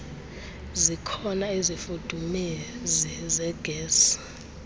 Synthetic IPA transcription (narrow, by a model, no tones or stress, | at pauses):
zikʰɔnaizifud̥ʱumezizɛɡ̥ʱeːs